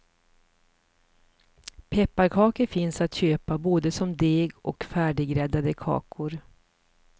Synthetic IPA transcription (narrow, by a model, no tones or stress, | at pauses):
pʰɛpːaɾkʰɑːkəɾfɪnsat̪ɕøːpaboːd̪əsɔmd̪eːɡɔ̰kfæːɖɪɡɾɛd̪ad̪əkʰɑ̰ːkʰʊɾ